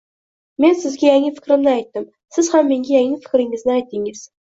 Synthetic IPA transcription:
me̞nsɪzɡʲajaŋːɪfɪ̥kʲɾɪmnɪajt̪ːɪm | sɪz̥hamːeŋɡʲajæŋɪfɪ̥kʲɾɪŋɪznɪæjt̪ːɪŋɪz̥

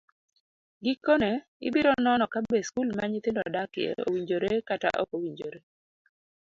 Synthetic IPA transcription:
ɡikːone | ɪ̰biɾɔnɔnɔkabeskulmaɲɪt̪ɪndɔadakɪḛo̰wiɲd͡ʒoɾekata̰ʔɔ̰kowiɲd͡ʒoɾe

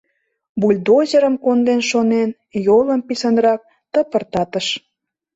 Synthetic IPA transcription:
bulʲd̪ozə̆ɾə̆mkond̪enʃonen | jolə̆mpisənrɑk̚ | t̪ə̆pə̆rt̪ɑt̪əʃ

